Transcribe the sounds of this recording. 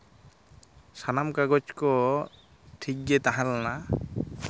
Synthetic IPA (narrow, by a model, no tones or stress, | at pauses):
sanamkaɡɔt͡ʃkɔ | ʈʰik̚det̪aɦãlna